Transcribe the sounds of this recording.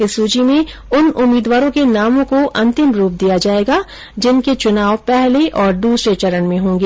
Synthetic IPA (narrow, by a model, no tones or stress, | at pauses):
ɪsuːd͡ʒimẽʊnʊmiːd̪ʋaːɾõkenaːmõkoʔɐ̃nt̪ɪmɾuːp̚d̪ijad͡ʒaːeːɡa | d͡ʒɪnket͡ʃʊnaːwpɛɦleʔɔːɾd̪uːsɾet͡ʃɐɾənmẽɦõːŋɡeː